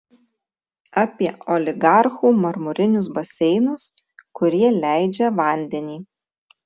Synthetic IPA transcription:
ɑpʲiɛʔɔlʲɪɡɑˑɾxuːmɐɾmʊɾʲɪnʲʊsbɐsʲɛɪnʊskʊɾʲiɛlʲæˑɪd͡ʒʲɛʋɐˑnʲd̪ʲɛnʲiː

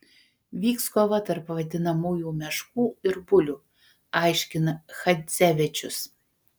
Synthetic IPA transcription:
ʋʲiːkskoʋɐt̪ɐɾpʋɐd̪ʲɪnɐmuːjuːmʲɛʃkuːɪɾbʊlʲuː | ɑɪʃʲkʲɪnɐxɐsʲæʋʲɛt͡ʃʲʊs

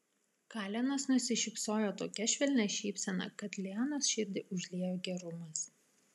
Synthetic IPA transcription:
kɑːlʲɛnɐsnʊsʲɪʃʲɪpsoːjoːt̪oːkʲɛʃʲʋʲɛlʲnʲɛʃʲiːpʲsʲɛnɐ̰ˑkɐt̪lʲiɑnosʃʲɪɾʲd̪ʲɪʔʊʒʲlʲiɛjoːɡʲɛɾʊmɐs

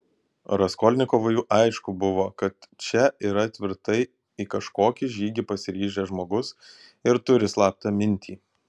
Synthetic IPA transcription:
ɾɐskɔːlʲnʲɪkoːʋɐjuːʔɐɪʃkʊbʊʋoːkɐt̪t͡ʃʲɛʔiːɾɐt̪ʲʋʲɪɾt̪ɐɪ | ikɐʃkoːkʲɪʒʲiːɡʲɪpɐsʲɪɾʲiːʒʲɛʒmoːɡʊs | ɪɾt̪ʊɾʲɪslˠɑːp̚t̪ɐmʲɪnʲt̪ʲʰiː

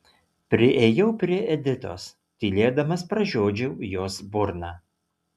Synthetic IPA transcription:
pʲɾʲɪʔeːjɛʊpʲɾʲiɛʔɛd̪ʲɪt̪o̰ːs | t̪ʲiːlʲeːd̪ɐmɐspɾɐʒʲoːd͡ʒʲɛʊjoːsbʊɾnɑː

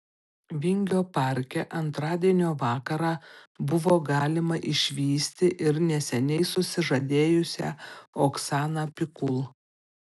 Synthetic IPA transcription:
ʋʲɪŋʲɡʲoːpɑˑɾʲkʲɛʔɐnt̪ɾɑːd̪ʲiɛnʲoːʋɑːkɐɾɑːbʊʋoːɡɑːlʲɪmɐʔɪʃʲʋʲiːsʲt̪ʲɪʔɪɾnʲɛsʲɛnʲɛɪsʊsʲɪʒɐd̪ʲeːjʊsʲæ̰ːoksɑːnɑpʲɪkʊlˠ

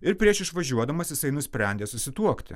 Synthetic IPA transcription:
ɪɾpʲɾʲiɛʃɪʃʋɐʒʲuɔd̪ɐmɐsjɪsɐɪnʊsʲpʲɾʲɛnʲd̪ʲeːsʊsʲɪt̪uɔkt̪ʲɪ̰

